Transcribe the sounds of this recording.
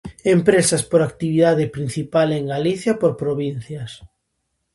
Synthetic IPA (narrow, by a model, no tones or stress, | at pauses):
empɾesaspoɾak̚t̪iβiðaðɪpɾin̟θipaleŋɡaliθjɐpoɾpɾoβin̟θjɐs